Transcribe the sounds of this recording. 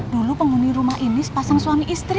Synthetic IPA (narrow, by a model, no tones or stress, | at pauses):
d̥̪ulupəŋuniɾumahʔinispasaŋswamiʔist̪ɾi